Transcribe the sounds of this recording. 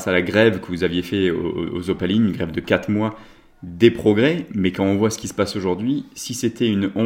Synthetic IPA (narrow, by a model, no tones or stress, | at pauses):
salaɡʁɛvkəvuzavjefɛo̰o̰o̰zopaliynɡʁɛvd̪əkat̪χmwa | d̪epχɔɡʁɛmɛkɑ̃ɔ̃vwasə̥kʲisə̥pasoʒuʁd̪ɥisiset̪ʰɛynɔ̃